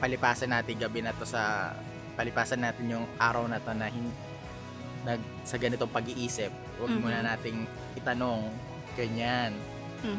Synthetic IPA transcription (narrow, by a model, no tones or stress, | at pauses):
pɐlɪpaːsɐnːaːt̪ɪŋɡɐbɛnɐt̪o̞sɐ | pɐlɪpaːsɐnːaːt̪ɪnjʊŋʔaːɾɐwnɐt̪o̞nɐɦɪn | nɐɡ̚ | sɐɡɐnɪt̪o̞ŋpɐɡɪʔiːsɪp̚ | wɐɡ̚muːnɐnaːt̪ɪŋ | ʔɪt̪ɐno̞ŋ | ɡɐɲan